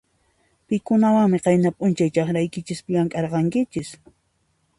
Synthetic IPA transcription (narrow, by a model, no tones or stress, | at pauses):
pɪkʊnawaŋmɪqɑjnapʼʊnt͡ʃajt͡ʃɑχɾajkɪt͡ʃɪspɪʎaŋkʼɑɾqɑŋkɪt͡ʃɪs